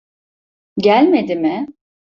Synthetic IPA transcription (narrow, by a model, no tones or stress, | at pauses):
ɟælʲme̞d̪imɪ